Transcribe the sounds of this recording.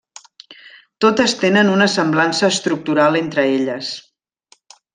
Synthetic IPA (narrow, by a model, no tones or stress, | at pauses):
t̪ot̪əst̪enənunəsəmblansəːst̪ɾuk̚t̪uɾalˠent̪ɾəeʎəs